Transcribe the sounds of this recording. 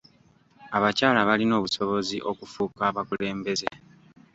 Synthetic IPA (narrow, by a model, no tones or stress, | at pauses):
aβacaːlaβalino̞ːβuso̞βo̞ziʔo̞kufuːkaːβakule̞ːmbe̞ze̞